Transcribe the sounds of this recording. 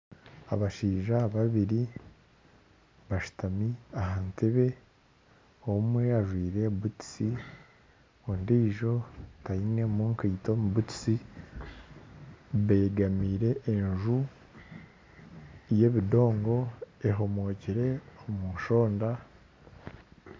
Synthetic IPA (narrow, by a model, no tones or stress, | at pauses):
a̰βaʃiːʒaβaβiɾi | βaʃu̥tamiahanteβe̞ | oumwe̞aʒwiːɾe̞βuti̥si | ondiːʒo̞taine̞moŋkaito̞muβuti̥si | βe̞ːɡamiːɾe̞ʔːnʒu | je̞βido̞ːŋɡo̞eɦo̞mo̞ːciɾe̞omuʃo̞ːnda